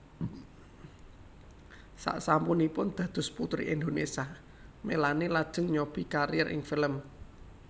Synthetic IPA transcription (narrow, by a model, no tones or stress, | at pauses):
sa̰ʔsampʊnipʊnd̪̥ä̤d̪̥ʊ̤sput̪ɾḭʔɛnd̪onesa | melanelad̥ʒ̥ə̤ŋɲob̥i̤kaɾijɛrʔɪ̰ŋfiləm